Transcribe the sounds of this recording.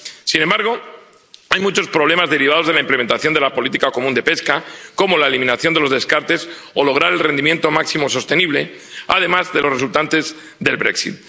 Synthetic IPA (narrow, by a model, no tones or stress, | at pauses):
sinembaɾɣ̞o̞ | ajmut͡ʃo̞spɾo̞β̞le̞mazðe̞ɾiβ̞að̞o̞zðelaimpleme̞nt̪aθjo̞nd̪e̞lapo̞lit̪ikako̞mũnd̪e̞pe̞skako̞molaelimĩnaθjo̞nd̪e̞lo̞zðe̞skaɾt̪e̞s | o̞lo̞ɣ̞ɾaɾe̞lre̞nd̪imje̞nt̪o̞maksimo̞so̞st̪e̞niβle̞ | a̰ð̞e̞mazðe̞lo̞sres̬ult̪ant̪e̞z | ðe̞lβɾe̞̰ksḭt̪̚